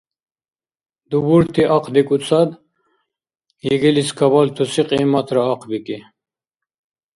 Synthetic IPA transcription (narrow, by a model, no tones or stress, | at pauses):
d̪ubuɾt̪ʰiʔɑqd̪ikʼut͡sʰɑd̪ | jiɡiliskʰɐβalt̪ʰusiqimɐt̪ʰɾɐːqʰbiki